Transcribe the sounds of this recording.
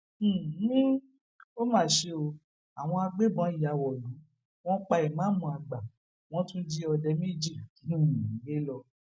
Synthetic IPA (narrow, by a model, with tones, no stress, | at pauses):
ĩ˦ | o˦mãː˦˨ʃe˧o˧ | a˨w̃ɔ̃˧a˧ɡ͡be˦bɔ̃˨˦i˨ja˨˧˨wɔ˨lũ˨˦ | w̃ɔ̃˦k͡pa˧i˨mã˨˦mũ˧a˨ɡ͡ba˨ | w̃ɔ̃˦tũ˦d͡ʒi˦ɔ˧dɛ˧mi˦d͡ʒi˦˨˦i˨˦ɡe˦lɔ˧